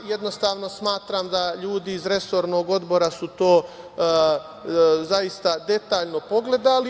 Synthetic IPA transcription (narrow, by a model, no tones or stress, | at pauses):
je̞d̪no̞st̪aːʋno̞smaːt̪ɾaːmd̪aʎuːd̪iːzɾe̞so̞ɾno̞ːɡo̞d̪bo̞ɾasut̪o̞ː | zaist̪ad̪e̞t̪aːʎno̞po̞ɡle̞d̪ali